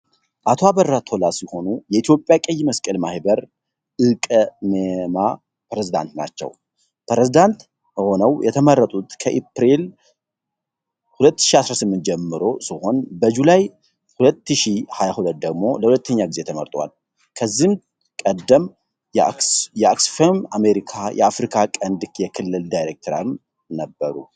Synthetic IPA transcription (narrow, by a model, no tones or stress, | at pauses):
ʔat̪ʰoabərːat̪ʰo̞lasiho̞nujɛit̪ʰjo̞pʼːjakʼəjːməskʼəlmahbəɾ | ʔɨkʼmema | pɾezid̪a̰nt̪na̰t͡ʃːɛ̰w | pʰɾezid̪ant̪ | bəho̞nəwjɛt̪ʰəmərːət̪ʼut̪kʰəʔepɾel | hulət̪ːɨ̥ʃiasɾasɨmːɨnt̪̚d͡ʒɛmːɨɾo̞sɨho̞nbəd͡ʒulaj | hulət̪ːɨʃihajahulət̪̚d̪əɡmo̞̰ləhulət̪ʰːəɲːaɡize̞t̪ʰəməɾt̪ʼwa̰l | kʰəzːihm | kʼəd̪ːəm | jɛaksfemame̞ɾikʰajʔɛ̰afɾikʰakʼənd̪kjɛkʰɨlːɨld̪ajɾek̚t̪ʰəɾa̰m | nəbːəɾṵ